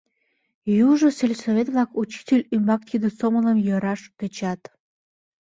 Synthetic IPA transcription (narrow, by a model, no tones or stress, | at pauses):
juʒoselʲsoβet̪βlɑkut͡ɕi̥tʲelʲymbɑk̚t̪ʲid̪əsomələmjɤɾɑʃk̪ət͡ɕɑt̪